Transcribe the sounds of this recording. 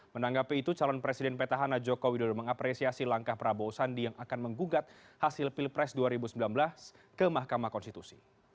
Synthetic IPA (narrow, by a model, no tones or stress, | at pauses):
mənaŋɡapiːt̪ut͡ʃalɔnpɾesidɛnpet̪aɦanad͡ʒokowidɔdɔməŋapɾesiasilaŋkahpɾabosandijaŋakanməŋɡuɡat̪̚ | hasɪlpilpɾɛsduaɾibusəmbilanbəlas | kəmahkamahkɔnst̪it̪usi̥